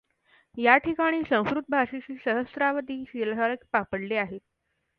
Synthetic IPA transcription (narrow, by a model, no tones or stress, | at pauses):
jaʈʰikaɽ̃iːsə̃w̃skɾut̪̚bʱaʂet͡ɕiːsəɦəsɾaʋəd̪ʱiːɕilɦaɾəkpapəɽleaɦet̪̚